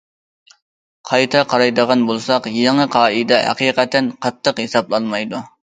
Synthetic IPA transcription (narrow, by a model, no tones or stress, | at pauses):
qʰɑjt̪ʰɑqʰɑɾɑjd̪əʁɑnbolˠsɑqjeŋɨqʰɑːid̪ɛɦæ̰qiːqɛt̪ɛnqʰɑt̪ʰːəqhesɑblˠɑlˠmɑjd̪u